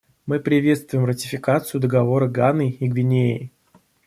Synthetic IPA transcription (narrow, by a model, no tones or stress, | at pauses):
mɨpɾʲɪvʲe̞t̪st̪vʊjɪmrətʲɪfʲɪkat̪sɨjʊd̪əɡɐvo̞ɾəɡanɨiɡvʲɪnʲeɪ